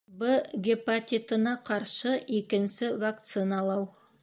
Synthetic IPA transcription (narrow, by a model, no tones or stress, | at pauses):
bəɡʲipat̪ʲit̪ənɑqʰɑɾʃəekʲɪnsɪvak̚t̪sɨnɑlˠɑw